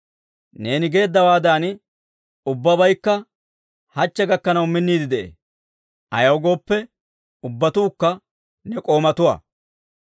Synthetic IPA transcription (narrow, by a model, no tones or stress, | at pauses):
ne̞ːnɪɡe̞ːd̪ːɐwaːd̪aːn | ʊbːɐbɐjkːɐ | hɐt͡ʃːɛɡɐkːɐnɐwmɪnːiːd̪ɪd̪ɛʔḛː | ʔɐjɐwɡo̞ːpːɛ | ʊbːɐt̪uːkːɐ | nɛkʼo̞ːmɐt̪ʊwɐ̰